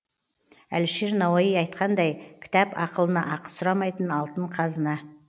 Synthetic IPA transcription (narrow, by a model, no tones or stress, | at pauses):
æ̰lʃeɾnɑwɑjəjɑjt̪̚qɑnd̪ɑjkʲʰɪ̥t̪ɑpɑqəlˠənɑ̰ʔɑqə̥sʊɾɑmɑjt̪ənɑlˠt̪əɴqʰɑzənɑ